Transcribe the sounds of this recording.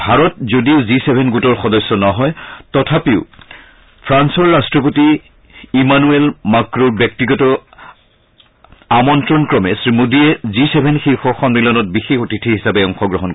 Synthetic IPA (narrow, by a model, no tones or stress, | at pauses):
bʱaɹɔt̚zodiʊzisebʱɛnɡutɔɹxɔdɔsːɔnɔɦɔjtɔtʰapeʊ | pʰɹansɔɹːastɹɔp̬oti | imanuelmakɹoɹbjɔk̚tiɡɔtɔ | amɔntɹɔnkɹɔmɛsɹimodiɛzisebʱɛnxixɔxɔmɹilɔnɔt̚bixexotitʰiɦisapɛɔŋxɔɡɹɔɦɔnkɔ